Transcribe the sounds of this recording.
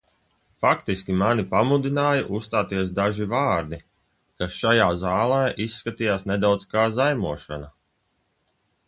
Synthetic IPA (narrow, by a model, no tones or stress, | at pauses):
fakt̪iskʲimanipamud̪inaːjaʔusst̪aːt̪iɛs̬d̪aʒivaːɾd̪i | kasʃajaːzaːlˠaːʔisːkat̪ijaːsned̪awd̪skaːzajmuɔʃɔ̰na